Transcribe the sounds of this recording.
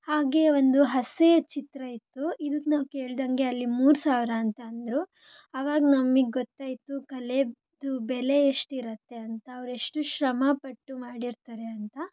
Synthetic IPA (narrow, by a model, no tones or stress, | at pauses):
haːɡe̞ond̪uɦɐset͡ʃit̪ɾɐjit̪ːuid̪ukːnaːʋke̞ːɭid̪ɐŋɡe̞ɐlːimuːɾsaːʋɾaːnt̪ɐːnd̪ɾu | ɐʋaːɡɐnɐmːiɡeɡɔt̪ːaːjt̪ukɐle̞ | d̪ubɛle̞ːʂʈiɾɐt̪ːe̞ɐnt̪ɐːʋɾeʂʈuʃɾɐmɐpɐʈːumaːɽiɾt̪ɐɾe̞ɐnt̪ɐ